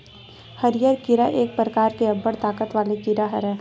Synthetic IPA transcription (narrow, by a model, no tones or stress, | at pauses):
hɐɾɪjəɾkɪɾaʔeːk̚pɾəkaːɾkeɐbːəɽt̪aːkət̪ʋaːlekiɾaɦɐɾɛ̃